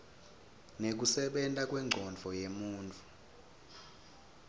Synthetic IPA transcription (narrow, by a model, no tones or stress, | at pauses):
nek̬usɛɓɛntʼak̬ʼwɛŋ͡ǃʱɔnd͡ɮʱɔjemuːnt͡fʰʼu̥